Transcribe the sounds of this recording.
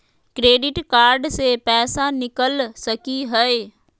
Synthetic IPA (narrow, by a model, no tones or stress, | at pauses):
kɾeːɖɪʈkaːɾɖsepɛːsanɪkəlsəkiɦəe